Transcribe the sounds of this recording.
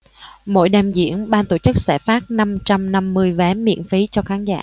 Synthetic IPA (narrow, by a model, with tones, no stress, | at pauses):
mo̰˧˥jɗɛ˨˩mzḭ˧˩˨ənɓaː˧nt̪o˧˩t͡ɕɨ˦˥k̚sɛ̰˧˩faː˦˥t̚na˧mt͡ɕa˧mna˧mːɨ˧əjvɛ˨˦mḭ˧˨ənfi˨˦t͡ɕɔ˧xaː˨˦nza̰ː˧˩˨